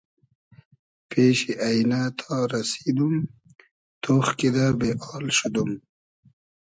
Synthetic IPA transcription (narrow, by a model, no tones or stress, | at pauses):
peɕiʔajnat̪ʰɑɾasid̪um | t̪oxkid̪abeʔɑːlʃud̪um